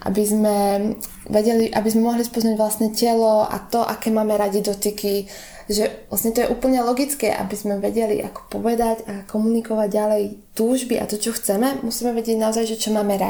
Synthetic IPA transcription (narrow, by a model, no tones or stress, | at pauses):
ʔa̰bizmɛ | ʋɛɟɛliʔabizmɛmɔɦlispɔznaɟʋlasnɛcɛlɔa̰t̪ɔʔa̰kɛːmaːmɛɾaɟid̪ɔt̪iki | ʒɛlasɲɛt̪ɔjɛʔuːpl̩ɲɛlɔɡit͡skɛ̰ʔa̰bizmɛʋɛɟɛlḭʔa̰kɔ̥pɔʋɛd̪aɟakɔmunikɔʋaɟɟalɛjt̪uːʒbiʔa̰t̪ɔt͡ʃɔxt͡sɛmɛmusiːmɛʋɛɟɪɛɟnaɔzajʒɛt͡ʃɔmaːmɛɾa